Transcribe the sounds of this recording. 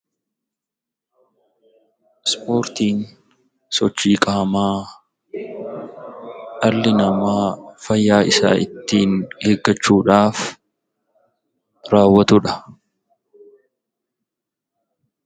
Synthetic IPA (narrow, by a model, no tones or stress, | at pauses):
spʰo̞ːɾt̪iːn | sɔt͡ʃːiːkʼaːmaː | ʔɐlːɪnɐmaːfɐjːaːʔɪsa̰ːɪ̰t̪ːiːnheːɡːɐt͡ʃːuːᶑaːf | ɾaːwːɐt̪ʊᶑɐ